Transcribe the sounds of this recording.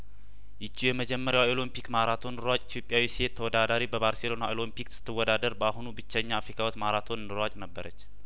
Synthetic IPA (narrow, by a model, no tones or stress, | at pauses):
jɪt͡ʃːijɛməd͡ʒɛmːəɾjawolompikmaɾat̪ʰo̞nɨɾwat͡ʃʼit̪ʰjo̞pʼjawisiet̪ʰːəwɔd̪ad̪aɾibəbaɾselo̞naolompiksɨ̥t̪ʰːɨwːɔd̪ad̪əɾbəaɦunubɨt͡ʃːəɲːaːfɾikʰawɔt̪maɾat̪ʰo̞nɨnɨɾat͡ʃʼnəbːəɾət͡ʃː